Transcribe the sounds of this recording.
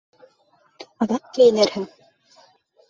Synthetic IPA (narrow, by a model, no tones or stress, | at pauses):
ɑðɑq̚kɘjɘ̆nɘɾhɘŋ